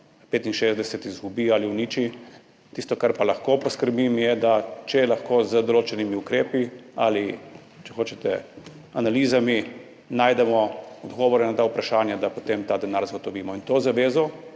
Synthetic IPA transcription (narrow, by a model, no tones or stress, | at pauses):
peːt̪inʃeːzd̪ɛsɛt̪izɡubialiwniːt͡ʃi | t̪ist̪ɔkaɾpalaxkopɔskəɾbimjɛd̪at͡ʃɛlaxkoːzəd̪ɔloːt͡ʃɛnimiukɾeːpiali | t͡ʃɛxoːt͡ʃɛt̪ɛ̰ | analiːzami | naːjd̪ɛmɔɔd̪ɡɔːʋɔɾɛnat̪aːupɾaʃaːnjad̪apot̪eːmt̪aːd̪ɛnaɾzaɡot̪ɔʋiːmɔint̪oːzaʋeːzɔ